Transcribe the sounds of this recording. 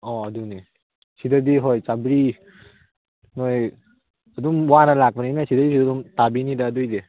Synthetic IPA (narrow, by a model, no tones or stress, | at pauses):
ɔaduni | sʰidadiɦojt͡ʃabɾi | noj | aduŋwanalak̚baninasʰidadisidduŋtabinidaːdujde